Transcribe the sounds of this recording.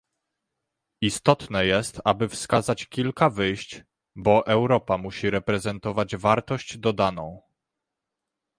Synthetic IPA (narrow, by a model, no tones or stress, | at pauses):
ist̪ɔt̪nɛjɛst̪abɘfskazat͡ɕkʲilkavɘjɕt͡ɕ | bɔʔɛwɾɔpamuɕiɾɛpɾɛzɛnt̪ɔvad͡ʑvaɾt̪ɔɕd͡ʑd̪ɔd̪anɔ̰̃w̃